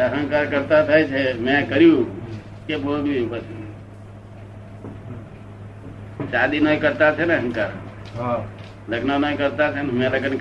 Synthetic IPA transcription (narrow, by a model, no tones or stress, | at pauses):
əɦə̃ŋkaɾkəɾt̪at̪ʰət͡ʃʰɛmẽkəɾiju | keboɦut̪biupət͡ʃʰ | ʃad̪inəikəɾt̪at͡ʃʰɛnəɦə̃ŋkaɾ | ɦ | ləɡnanəikəɾt̪at͡ʃʰɛnɦəmeləɡənk